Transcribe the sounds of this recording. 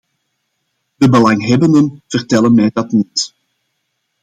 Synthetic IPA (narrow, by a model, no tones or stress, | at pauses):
dəbəlɑŋɦɛbəndənv̥ərtɛlənmɛjdɑtnit